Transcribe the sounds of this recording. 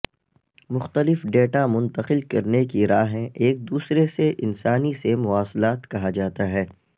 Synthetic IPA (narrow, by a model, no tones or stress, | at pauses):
mʊxt̪əlɪfɖeːʈamʊ̃nt̪əqɪlkɐɾnekiɾaːɦɦɛ̃ʔeːk̚d̪uːsɾeseʔɪnsaːnisemʊʋaːslaːt̪kɐɦad͡ʒaːt̪aɦɛː